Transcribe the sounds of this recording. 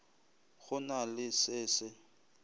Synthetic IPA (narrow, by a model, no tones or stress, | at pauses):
ɣʊnalɪsɪːsɪ